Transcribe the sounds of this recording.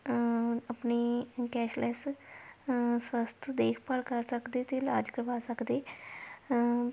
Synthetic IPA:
əpneːkɛːʃlɛːs | swəst̪ʰd̪eːkʰpəlkəɾsəkd̪eːt̪eːlaːd͡ʒkəɾʋaːsəkd̪eː

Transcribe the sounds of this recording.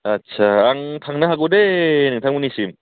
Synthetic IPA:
at̚t͡ɕʰaaŋtʰaŋnaɦaɡodenɯŋt̪ʰaŋmuniɕim

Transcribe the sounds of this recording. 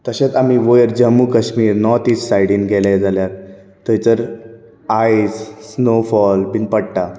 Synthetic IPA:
t̪əɕat͡sam̤iːʋojəɾd͡ʑəmːukəɕmiːɾnɔt̪iːt͡ssajɽiːnɡʱɛlajd͡zaljaɾ | t̪əjt͡səɾ | ajssnofɔlbinpəɽʈa

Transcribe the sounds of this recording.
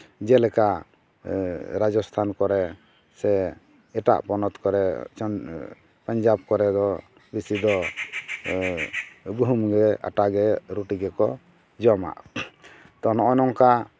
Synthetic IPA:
d͡ʒɛlɛka | ɾad͡ʒɔst̪ʰankɔɾɛ | sɛ | ɛʈa̰ʔpɔnɔt̪kɔɾɛ | paɲd͡ʒab̚kɔɾɛd̪ɔ | bisid̪ɔ | ɡuɦumɡɛa̰ʈaɡɛɾuʈiɡɛkɔ | d͡ʒɔma̰ʔ | t̪ɔnɔʔɔnɔŋka

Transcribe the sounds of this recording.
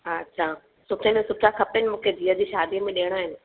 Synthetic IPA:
ɦaɐtːɕʰa | sʊʈʰenẽsʊpʰɾakʰɐpənɪ̆mũːkʰed̪ʱiːəd͡ʑiːʃaːd̪ʱiəmẽɗeːəɽ̃aːɦɪnɪ̆

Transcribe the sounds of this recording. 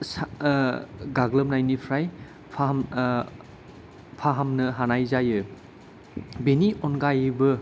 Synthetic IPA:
s | ɡaɡlɐmnajnipʰɾaj | pʰ | pʰaɦamnɐɦanajzajɯ | beniʔɔnɡajɯbɯ

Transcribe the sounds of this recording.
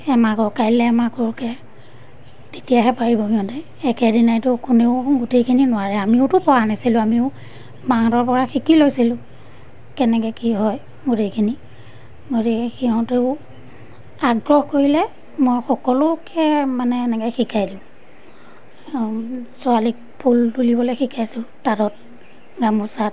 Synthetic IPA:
ɛmakɔkajlɛːmakɔɹkɛ | tetijaɦɛpaɹibɔkiɔntɛ | ɛkɛdinajtʊkʊneʊɡutejkʰininʊwaɹɛamiʊtʊpɔɹanasilʊ̃amiʊ | baŋdɔɹpɔɹaxikilojsilʊ̃ | kɛnɛkɛkiɦɔj | ɡutejkʰini | ɡotekiɦɔ̃teʊ | aɡɹɔxkoɹilɛ | mojxɔkɔlʊkʰɛmanɛːnɛkɛxikajdiʊ̃ | sʊalik̚pʰultulibɔlojxikʰajsʊ̃taɾɔt̚ | ɡamusat̚

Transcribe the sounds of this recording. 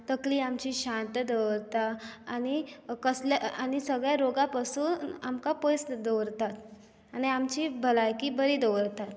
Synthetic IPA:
t̪əkliːamt͡ɕiːɕãnt̪d̪əʋɾt̪aañikəslaanisəɡɭjaɾoɡapasuːnamkapojsd̪əʋɾt̪at̪ | añiamt͡ɕiːbʱəlajkiːbəɾiːd̪əʋɾt̪at̪

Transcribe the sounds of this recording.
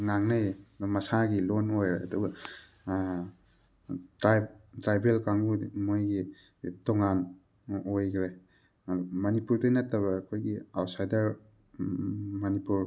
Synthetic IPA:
ŋaŋnajmɐsaɡilonojɾeɐduɡɐ | tɾatɾajbelkaŋumojɡi | toŋan | ojɡɾe | mɐnipuɾtujnɐtːɐβɐːkʰojɡiawtsajdɐɾ | mɐnipuɾ

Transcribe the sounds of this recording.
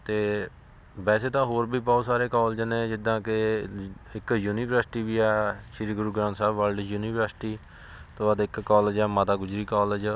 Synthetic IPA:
t̪eː | ʋɛːseːt̪ãːɦoːɾbʱiːbaːsaːɾeːkɔːld͡ʒənẽːd͡ʒɪd̪ːãːkɪ | ɪkjuːniːʋɾəɾsɪʈiːʋiːɛːʃɪɾiːɡʊɾuːɡɾãːnsaːbʋəlɖjuːniːʋəɾsʈiː | t̪õːaːd̪ɪkkːɔːld͡ʒɛːmət̪aːɡʊd͡ʒɾiːkɔːləd͡ʒ

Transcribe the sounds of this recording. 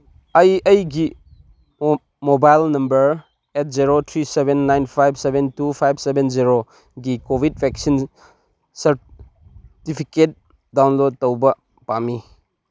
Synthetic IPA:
ajɐjɡi | mobajlnɐmbɐɾ | et̚ziɾotʰɾisebenːajnpʰajbsebʱentupʰajbsebʱenziɾo | ɡikobʱid̚pʰeksin | sɐɾ | tipʰiket̚ | dawnlod̚tɐwbɐ | pami

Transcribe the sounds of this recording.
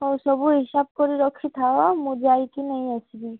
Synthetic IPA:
ɔsɔbuɦisab̚kɔɾiɾɔkʰːit̪ʰawamũd͡ʒajkinɛɦĩasibi

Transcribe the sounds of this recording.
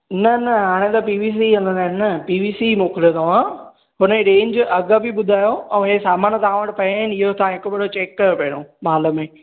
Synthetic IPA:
nɐnɐɦaːɽ̃ẽt̪ɐpiːʋiːs̬iɐ̃nd̪ə̃nd̪aːɪnəpiːʋiːsimoːkɪlijot̪ɐʋ̤ã | ɦʊnəɾẽːɲd͡ʑɐɡəbiɓʊd̪ʱaːjoɛ̃ːɦesaːmaːnt̪ɐãʋəʈɪpɐ̃ɪnɪɦot̪ɐãɦɪkobɐɽot͡ɕeːkːɐɾopɐɦɪɽ̃omaːləmẽː

